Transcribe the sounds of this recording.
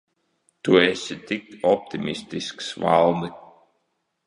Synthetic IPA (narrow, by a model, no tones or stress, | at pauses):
t̪uɛst̪ɪk̚ɔp̚t̪ɪmɪst̪ɪsksva̰lˠd̪